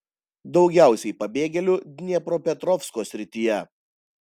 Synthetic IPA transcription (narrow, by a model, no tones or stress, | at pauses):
d̪ɒʊɡʲæˑʊsʲɛɪpɐbʲeːɡʲɛlʲʊd̪ʲnʲɛpɾoːpʲɛt̪ɾɔfskoːsʲɾʲɪt̪ʲɪjɛ